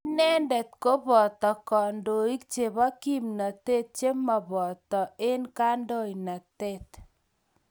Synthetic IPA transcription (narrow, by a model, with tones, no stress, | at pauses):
i˦nɛ˦ndɛ˨t̪ko˦bɔ˨t̪ɔ˨kɔ˨ndo˨i˦k̚t͡ʃe˨βa˦ki˦mna˨te˦t̪̚t͡ʃe˦ma˨bɔ˨t̪ɔ˨e˦nka˦ndɔ˦˨i˨na˨te˦t